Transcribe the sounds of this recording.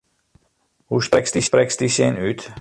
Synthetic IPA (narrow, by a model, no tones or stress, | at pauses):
huʃpɛkst̪ispɾɛkst̪isenyt̪